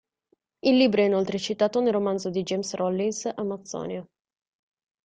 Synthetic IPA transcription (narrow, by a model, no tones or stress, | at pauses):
ilːiːbɾoɛinolt̪ɾet͡ʃit̪aːt̪onelromand̪zod̪id͡ʒemsrɔlːinsamːat̪sːɔ̰ːnja